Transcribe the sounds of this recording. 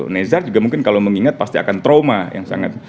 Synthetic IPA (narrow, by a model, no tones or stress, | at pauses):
nezard͡ʒuɡamuŋkɪnkaloməŋiŋat̪̚past̪iakant̪ɾomaja̰ŋsa̰ŋa̰t̪̚